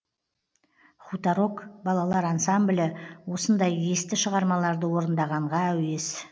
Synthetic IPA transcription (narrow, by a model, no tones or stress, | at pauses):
χut̪ɑɾo̞kbɑlˠɑlˠɑɾɑnsamblʲɪwo̞sənd̪ɑjest̪ɪʃəʁɑɾmɑlˠɑɾd̪əwo̞ɾənd̪ɑʁɑɴʁɑæwe̞s